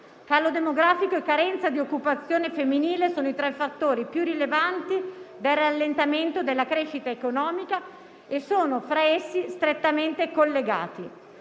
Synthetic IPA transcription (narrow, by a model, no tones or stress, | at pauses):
kaːlod̪emoɡɾaːfikoekːaɾɛnt̪sad̪iokːupat̪sːjoːnefemːiniːlesoːnoit̪ɾɛfːat̪ːoːɾipjurːilevant̪id̪elralːent̪ament̪od̪elːakɾeʃːit̪aekonɔːmika | esoːnofɾaesːist̪ɾet̪ːament̪ekolːeɡa̰ːt̪i